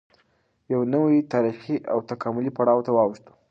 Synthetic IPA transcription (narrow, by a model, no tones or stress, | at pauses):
jawnəwijt̪ɑɾixiʔawt̪akɑmʊlipaɽɑwt̪awɑwʃt̪u̥